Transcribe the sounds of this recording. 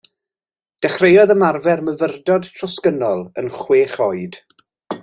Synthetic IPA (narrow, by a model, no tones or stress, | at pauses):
d̥ɛχrejɔðəmarvɛrməvərdɔdtʰrɔskənɔlˠə̰nχweːχɔjd̥